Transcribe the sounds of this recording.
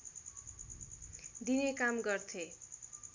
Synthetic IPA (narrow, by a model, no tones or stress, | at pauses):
d̪inekamɡʌrt̪ʰe